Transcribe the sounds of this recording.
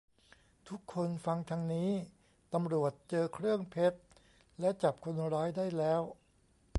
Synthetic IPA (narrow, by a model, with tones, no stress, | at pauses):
t̪ʰu˦˥kʰːo˧nfa˧ŋt̪ʰa˧ŋniː˦˥ | t̪a˧mɾu˨˩ət̪̚t͡ɕɤː˧kʰɾɯ˥˩əŋpʰe˦˥t̪̚ | lɛ˦˥t͡ɕa˨˩p̚kʰo˧nɾɔː˦˥jda˥˩jlɛː˦˥w